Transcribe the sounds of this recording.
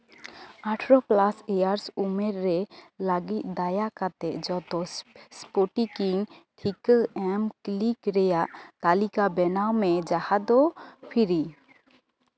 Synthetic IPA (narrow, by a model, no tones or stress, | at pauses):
aʈʰɾɔplasɛjaɾsumɛɾːɛlaɡit̪̚ˀd̪ajakat̪ɛʔ̚d͡ʒɔt̪ɔspoʈikiŋʈʰikəɛmklikɾɛjaʔt̪alikabɛnawmɛd͡ʒahad̪ɔpʰiɾi